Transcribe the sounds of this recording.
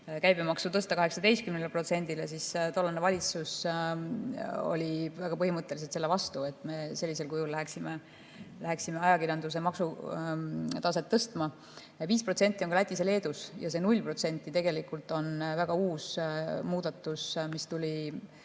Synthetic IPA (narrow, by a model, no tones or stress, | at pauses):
kæjbemɑksut̪ɤst̪ɑkɑɦeksɑd̪e̞jst̪kymnelpro̞t̪se̞nʲd̪iles̬ist̪o̞lːɑnːevɑlʲit̪sus | o̰lʲivæɡ̥ɑpɤɦimɤt̪ˑːe̞liset̪selːe̞vɑst̪ue̞t̪ˑme̞se̞lʲːise̞lkujulːæɦeksime | læɦeksime̞ɑjɑkiɾjɑnd̪us̬e̞mɑksu | t̪ɑse̞t̪ːɤst̪mɑ | viːspro̞t̪se̞nʲt̪ːˑiokɑlæt̪ʲːˑise̞le̞ːd̪̥usjɑ̰s̬e̞nulʲːpro̞t̪se̞nʲt̪ːˑit̪e̞ɡ̥e̞likult̪ˑo̞nvæɡ̥ɑuːsmuːd̪̥ɑt̪ːˑusmist̪ulʲi